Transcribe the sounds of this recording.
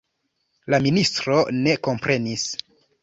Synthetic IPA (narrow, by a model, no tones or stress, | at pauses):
laministɾo̞ne̞ko̞mpɾe̞nis